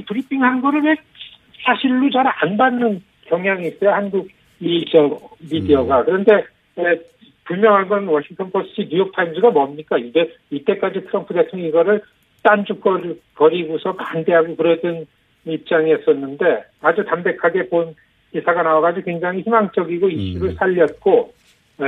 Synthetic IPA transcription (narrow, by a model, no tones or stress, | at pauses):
itɯɾipʰiŋhannɡʌɾɯɭwe̞k̚ | sʰaɕʰiɭːot͡ɕʌɾanbanːɯn | kjʌŋjaŋiːs͈ʌjohanɡuɡ | it͡ɕʌmidiʌɡakɯɾʌnde̞ | e | pumjʌŋɦanɡʌnwʌɕʰiŋtʰʌnpʰos͈ʰɯinujok̚tʰaimd͡ʑɯɡamʌmɲik͈aiɡe | it͈e̞k͈ad͡ʑitʰɯɾʌmpʰude̞tʰoŋʌŋɡʌɾɯɭ | t͈and͡ʑuk̚k͈ʌɾpʌɾiɡusʰʌpande̞ɦaɡokɯɾʌdɯn | ip̚t͡ɕ͈aŋiʌs͈ʌnːɯnde̞ad͡ʑutambe̞kʰaɡe̞pon | isʰaɡanawaɡad͡ʑikwe̞ŋd͡ʑaŋiçimaŋt͡ɕ͈ʌɡiɡoiɕ͈uɾɯɭsʰaʎːʌt̚k͈o